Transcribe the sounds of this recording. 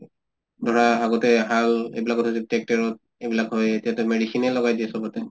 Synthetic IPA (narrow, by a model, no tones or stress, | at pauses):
dʱɔɹaaɡotɛɦalḛjbilakɔtʰasitɛk̚tɛɹɔt̚ | ebilakɦojetijatʊmedisinɛlːɔɡajdiɛsɔbɔtɛ